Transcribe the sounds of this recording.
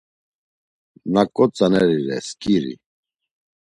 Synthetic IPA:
nakʼɔt͡sʼanɛɾiɾɛskʼiɾḭ

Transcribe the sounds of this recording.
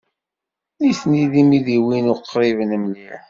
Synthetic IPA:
iθniðimiðiwinʊqːɾivənəmli

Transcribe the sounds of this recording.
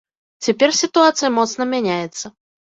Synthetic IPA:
t͡sʲɛpʲɛrsʲit̪uat̪sɨjɐmɔt̪snɐmʲanʲajɛt̪sːɐ

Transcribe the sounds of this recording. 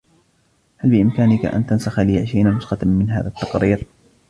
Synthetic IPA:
halbɪʔɪmkaːnɪka̰ʔa̰nt̪ansaxalɪːaʕʃajnanʊsxɑmɪnɦa̰ːðat̪ːɑqɾiːɾ

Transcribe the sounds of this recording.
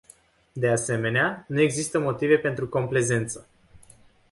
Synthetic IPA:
d̪e̞ase̞me̞neanue̞ɡzist̪əmo̞t̪ive̞pe̞nt̪ɾuko̞mple̞ze̞nt̪sə

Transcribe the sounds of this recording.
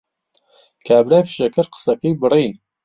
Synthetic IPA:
kʰaːbɾajfʃɐkʰɨɾqə̥sɐkiːbɨriː

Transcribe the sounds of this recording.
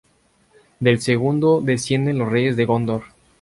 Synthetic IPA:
d̪elseɣund̪oðe̞sje̞nd̪e̞nlosrejezðe̞ɣond̪oɾ

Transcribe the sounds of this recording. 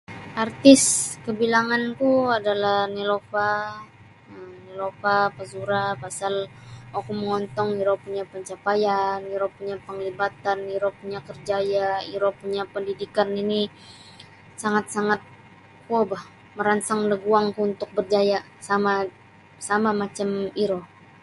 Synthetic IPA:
art̪ɪskəbilaŋankuadalahnilofa | ənilofapazuɾapasalwakuməŋɔnt̪ɔŋiɾopuɲapəɲt͡ʃapajaniɾopuɲapəŋlibat̪aniɾopuɲakərd͡ʒajaiɾopuɲapəndidikanini | saŋat̪̚saŋat̪̚ | obah | məɾansaŋdəɡuaŋkuunt̪ʊk̚bərd͡ʒaja | sama | samamat͡ʃamiɾo

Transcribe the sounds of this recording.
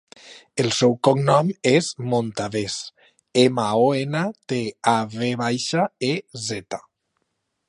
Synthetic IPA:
elˠsɛwkɔknɔmezmont̪aβes | emaoenat̪eaβeβajʃaezɛt̪ḁ

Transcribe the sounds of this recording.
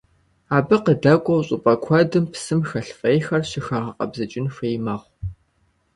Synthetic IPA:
aːbɨqədɐkʷʼɔwɕʼʊpʼɐkʷʰɔdɨmpsɨmxɐɬfʼejxɐrɕɪxɐʁɐqʼɐ̰bzɐt͡ʃʼɪnfejmɐʁʷ

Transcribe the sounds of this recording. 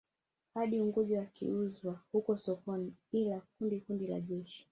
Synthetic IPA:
haɗiuŋɡuʄiwakḭuzwahukɔsɔkɔniilak̚undikundila̰ʄɛʃi̥

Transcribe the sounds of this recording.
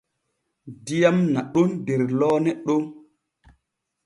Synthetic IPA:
dijamnaɗondeɾlɔːnɛɗo

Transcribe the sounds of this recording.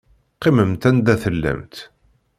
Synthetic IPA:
qːiməmt̪ænd̪æθəlːæ̰mt̪

